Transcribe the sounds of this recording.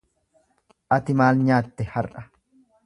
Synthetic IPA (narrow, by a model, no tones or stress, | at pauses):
ʔɐt̪ɪmaːlɲaːt̪ːɛhɐrʔɐ̥